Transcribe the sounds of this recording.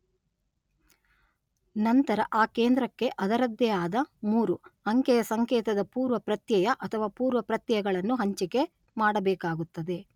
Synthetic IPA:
nɐnt̪ɐɾɐ̰ʔaːkeːnd̪ɾɐkːe̞ʔɐd̪ɐɾɐd̪jɐjaːd̪ɐmuːɾuɐŋkɛjɐsɐŋkɛːt̪ɐd̪ɐpuːɾʋɐpɾɐt̪jɐjɐʔɐt̪ʰɐʋaːpuːɾʋɐpɾɐt̪jɐjɐɡɐɭɐnːuɦɐɲt͡ʃike̞ | maːɽɐbɛːkaːɡut̪ːɐd̪e̞

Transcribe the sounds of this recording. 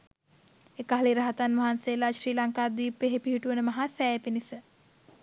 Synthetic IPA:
ekaɦaliɾɐɦat̪anʋɐɦansejlaʃriːlaŋkaːd̪ʋiːpeɦepiɦiʈuʋənəmaɦasɛːepinisə

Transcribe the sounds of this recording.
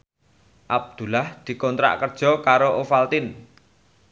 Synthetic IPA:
ʔab̚d̪̥ṳlahd̪̥i̤kɔnt̪ɾa̰ʔkərd̥ʒ̥ɔ̤kaɾoʔofalt̪ɪn

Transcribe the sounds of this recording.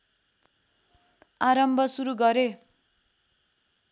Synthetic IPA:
aɾʌmbʱʌsuɾuɡʌɾe

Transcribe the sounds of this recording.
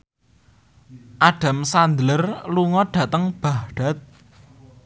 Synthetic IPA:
ʔaɖ̥a̤msand̪lərluŋɔɖ̥ä̤t̪əŋb̥a̤ɦɖ̥a̤t̪̚

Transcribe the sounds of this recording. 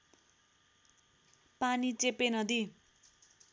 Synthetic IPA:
panit͡sepenʌd̪i

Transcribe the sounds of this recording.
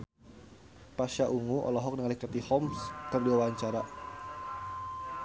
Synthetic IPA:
paʃaʔuŋuʔɔ̰lɔɦɔk̚nəŋalikɾat̪ihɔmskərdiwawaɲt͡ʃaɾa

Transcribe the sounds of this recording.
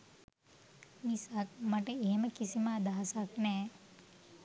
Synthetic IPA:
misakmɐʈeeɦeməkisiməːd̪aɦasaknɛː

